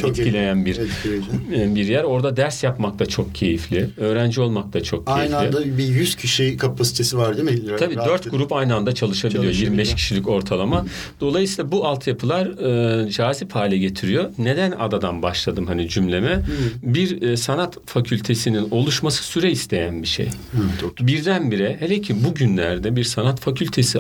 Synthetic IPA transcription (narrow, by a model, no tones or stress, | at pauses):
t͡ʃit̪cʰilʲe̞jænbiɾʰ | biɾjæɾo̞ɾd̪ad̪æɾsjapmakt̪ʰat͡ʃʰo̞k̚cʰe̞jiflʲiø̞ːɾænd͡ʒio̞lˠmakt̪ʰat͡ʃʰo̞k̚ʰːaejinflʲid̪abijyscʰiʃɛkʰapʰasi̥t̪ʰesivaɾd̪emɛabiːdd̪øɾt̪ɡuɾupajnɯand̪at͡ʃʰalˠɯʃabiilʲijo̞jiɾmbɛʃcʰi̥ʃilʲico̞ɾt̪ʰalˠama | d̪̥o̞lˠajɯsiːlˠabuʔalˠt̪ʰjapʰɯlˠaɾɯd͡ʒaːziphaːlʲɛɟe̞t̪ʰiɾijo̞ne̞d̪æna̰d̪ad̪anbaʃlˠad̪ɯmɦanid͡ʒymlʲe̞mɛbiɾsanat̪facʰylʲt̪ʰe̞sinino̞lˠuʃmasɯ̥syɾɛist̪ʰe̞jænbiʃḛj | biɾd̪ænbiɾɛhelʲecʰibuɟynlʲæɾd̪ɛbiɾsanat̪facʰylʲt̪ʰe̞si